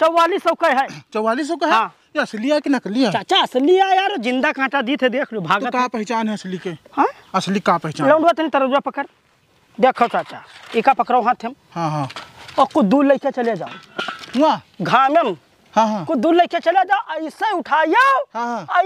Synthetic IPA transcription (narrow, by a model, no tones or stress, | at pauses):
t͡ʃɐwaːlisəwkəjɦɛt͡ʃɐwaːliːs̬okɐɦã | jeɐsliaːkinɐkliat͡ʃat͡ʃaɐsliaːjaːɾd͡ʒĩnd̪akãːʈad̪it̪ʰed̪eːkʰlijubʱaːɡ̪oətapɐɦɪt͡ʃaːnɦɛɐslikehã | ɐslikapɐɦit͡ʃalɐ̃ɳɖwat̪ɐnit̪ɐɾəuapɐkəɾ | d̪eːkʰat͡ʃat͡ʃaekapɐkɾawɦãt̪ʰemhãɦãɔkud̪uːdlɐiket͡ʃɐljad͡ʒa̰ːwaɡʱaːmem | hãɦãkud̪ulləɪket͡ʃɐljad͡ʒaːwʔɐseʊʈʰaːjaɦãɦã